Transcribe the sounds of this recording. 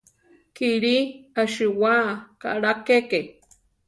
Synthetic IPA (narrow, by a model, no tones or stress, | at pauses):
kiɾiaʃiwaka̰ɾakeke